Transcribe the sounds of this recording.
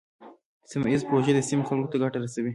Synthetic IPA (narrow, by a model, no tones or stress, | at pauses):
sɪmɪzpɾoʒed̪əsɪmxalkot̪aɡaʈaɾasawi